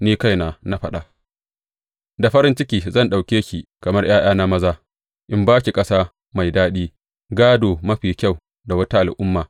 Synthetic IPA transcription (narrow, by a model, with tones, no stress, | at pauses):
niː˦ka˦jna˨na˦ɸɐ˦ɗa˨ | da˨ɸɐ˦ɾɪ˦nt͡ʃɪ˦kʲiː˨zɐ˦˨nɗa˨wkʲeː˦ʃi˨kɐ˨mɐ˦rj̰aː˦j̰aː˦na˦mɐ˦zaː˦ | ʔɪ˦mbaː˦ki˨kʼɐ˦saː˦ | ma˨jdaː˦ɗiː˦ | ɡaː˦doː˨mɐ˦ɸiː˨kʲa˦˨w | da˨wɐ˦ta˦ʔa˨lʔʊ˦mːaː˨